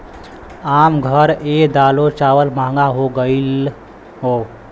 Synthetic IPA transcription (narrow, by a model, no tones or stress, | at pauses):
aːmɡʱəɾed̪aːlot͡ʃaːwəlmãːŋɡaɦoɡəɪl | ɦoː